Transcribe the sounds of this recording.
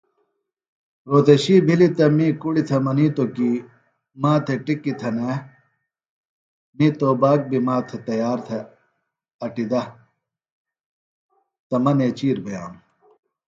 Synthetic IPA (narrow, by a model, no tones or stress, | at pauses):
ɾoːd̪ɐɕiːbʱilit̪ɐmiːkuɽit̪ʰɐmɐniːt̪okiː | maːt̪ʰeʈikːit̪ʰɐne | nit̪oːbaːk̚bimaːt̪ʰet̪ɐjaːɾt̪ʰɐ | ɐʈid̪ɐ | t̪ɐmɐneːt͡ɕiːɾbʱɐja̰ːm